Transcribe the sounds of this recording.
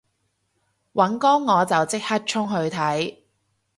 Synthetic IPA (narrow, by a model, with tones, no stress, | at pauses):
wɐ˨˥nkɔː˥ŋːɔː˨˧t͡sɐ˨wt͡sɪ˥k̚hɐ˥t̚t͡ʃʰʊ˥ŋɦɵ˧ɥt̪ʰɐ˨˥j